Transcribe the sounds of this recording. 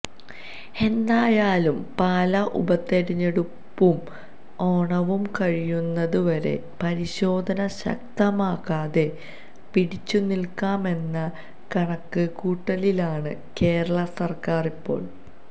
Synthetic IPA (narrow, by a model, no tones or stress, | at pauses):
e̞nd̪aːjaːlumpaːlɐʔṵbɐt̪ːeɾiɲːeɽu | pːum | o̞ːɳɐʋumkɐɻijunːɐðuʋɐɾe̞̰ | pɐɾiɕo̞ːd̪ʱɐnɐɕɐ̰k̚t̪ɐmaːkaːðe̞ | piɽit͡ɕːunilkaːme̞nːɐ | kɐɳɐkːɨkuːʈːɐlilaːɳɨ̰ | ke̞ːɾɐɭɐsɐrkaːripːo̞̰ːɭ